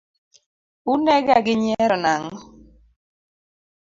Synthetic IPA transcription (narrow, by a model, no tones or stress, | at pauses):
unɛɡaɡɪɲɛɾɔnaŋɔ